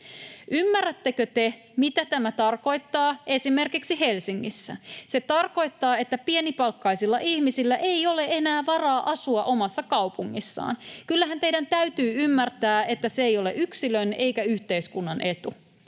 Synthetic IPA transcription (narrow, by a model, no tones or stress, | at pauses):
ymːærːæt̪ːekøt̪e̞ | mit̪æt̪æmæt̪ɑrko̞jt̪ːɑːʔe̞sime̞rkiksiɦe̞lsiŋːisːæ̰se̞t̪ɑrko̞jt̪ːɑːe̞t̪ːæpie̞nipɑlkːɑisilːɑ̰ʔihmisilːæʔe̞jo̞le̞e̞næːʋɑrɑːʔɑsuɑʔo̞mɑsːɑkɑwpuŋːisːɑ̰ːnkylːæɦænt̪ejdænt̪æyt̪yːymːært̪æːe̞t̪ːæseejo̞lḛʔyksiløne̞jkæyçt̪e̞iskunːɑnʔe̞t̪u